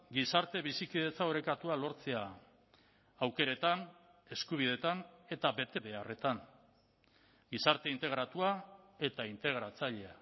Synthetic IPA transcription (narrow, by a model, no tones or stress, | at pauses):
ɡisaɾt̪e̞βisikiðe̞t͡saoɾe̞kat̪ualo̞ɾt͡se̞a | awke̞ɾe̞t̪an | e̞skuβ̞ið̞e̞t̪ane̞t̪abe̞t̪e̞βe̞are̞t̪an | ɡisaɾt̪e̞int̪e̞ɣ̞ɾat̪uae̞t̪aint̪e̞ɣ̞ɾat͡saʎe̞a